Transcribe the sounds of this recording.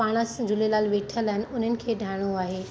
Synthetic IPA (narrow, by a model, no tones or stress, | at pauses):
aːɽ̃asd͡ʑʊlelaːlʋeːʈʰəlaːɪnɪ̆ʊn̤ənɪ̆kʰeːɖʱaːɪɽ̃oaːɦeː